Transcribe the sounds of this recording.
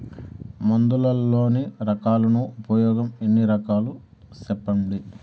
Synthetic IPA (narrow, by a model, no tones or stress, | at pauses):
mɐnd̪ulɐlːo̞ːniɾɐkaːlɐnuupɐjɔːɡɐmenːiɾɐkaːlu | sɛpːɐɳɖi